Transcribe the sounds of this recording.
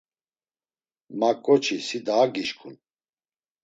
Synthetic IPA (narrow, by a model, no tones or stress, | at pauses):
makʼːɔt͡ʃʰisid̪aːɡiʃkʰun